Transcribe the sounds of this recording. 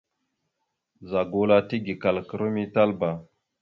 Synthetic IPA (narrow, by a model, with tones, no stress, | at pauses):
za˨ɡo˨la˦ti˦ɡi˨ka˨lkə˨ɾə˦mi˦ta˦lba˨